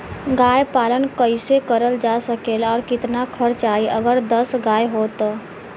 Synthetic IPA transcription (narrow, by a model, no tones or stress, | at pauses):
ɡaːjpaːlənkəɪsekəɾəld͡ʒasəkeːlɔːɾkɪt̪nakʰəɾt͡ʃaːiʔəɡəɾd̪əsɡaːjɦoːt̪ː